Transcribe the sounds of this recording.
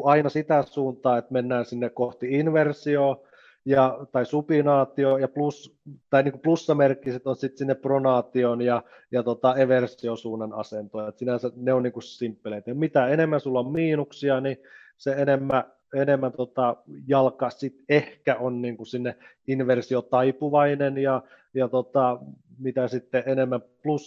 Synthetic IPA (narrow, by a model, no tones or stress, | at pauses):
uɑinɑsit̪æsuːnt̪ɑːet̪menːæːnsinːekkoht̪iinʋersioː | jɑt̪ɑisupinɑːt̪iojɑplust̪ɑiniŋkuplusːɑmerkːˑiset̪onsit̪sinːeppronɑːt̪ionjɑ | jɑt̪ot̪ɑeʋersiosuːnːɑnɑ̰sent̪oˑjet̪sinæseneonniːŋkussimpːeleit̪jɑmit̪æenemːæsulːommiːnuksiɑni | seenemːæ | enemːænt̪ot̪ɑjɑlkɑsit̪ehkæʔonniːŋkusinːe | inʋersiot̪ɑipuʋɑinenjɑ | jɑt̪ot̪ɑ | mit̪æsit̪ːeʔenemːæmplus